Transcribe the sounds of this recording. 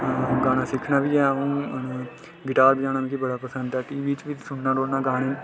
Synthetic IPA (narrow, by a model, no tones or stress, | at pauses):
ɡaːɽ̃ãːsɪkʰnaːbiːɛũː | ɡɪʈaːɾbid͡ʒaːnãːmiːkibəɽaːpəsənd̪ɛːʈiːbiːt͡ʃʋiːsʊnnaːɖoːɽnaːɡaːɽ̃eː